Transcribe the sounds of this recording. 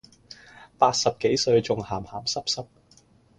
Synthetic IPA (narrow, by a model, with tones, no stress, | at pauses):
paː˧t̚sɐ˨p̚ke˨˥jsɵ˧ɥt͡sʊ˨ŋhaː˨˩mhaː˨˩msɐ˥p̚sɐ˥p̚